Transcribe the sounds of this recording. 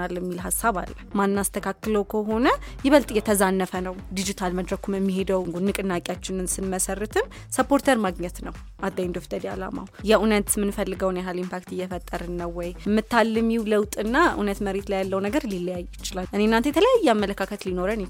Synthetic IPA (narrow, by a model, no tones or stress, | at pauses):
alːmːilɦasːaβa̰lːəmanːast̪ʰəkʰakːɨləwkʰəɦo̞nəjɪβəlt̪ʼjɛt̪ʰəzanːəfənəwd̪id͡ʒit̪ʰalməd̪ɾəkʰumɨmːiɦe̞d̪əwŋɡunːɨkʼɨnːakʼjat͡ʃːɪnɨnsɨnməsərːɨt̪ʰɨm | səpʰːo̞ɾt̪ʰəɾmaɡɲɛt̪nəw | ʔad̪ːajnd̪oft̪ʰəd̪ia̰la̰ma̰wjɛʔunət̪mɨnfəlːɨɡəwnjɛɦalimpakt̪ɨjːɛfət̪ʼːəɾɨnːəwːɔjmːɨt̪ʰːalːɨmjiwləwt̪ʼɨnːaʔṵnət̪məɾet̪lajalːəwnəɡəɾlilːəjajːjɪt͡ʃːɪlalʔɨnenːant̪ʰəjɛt̪ʰələjajːɛamːələkʰakʰət̪lino̞ɾən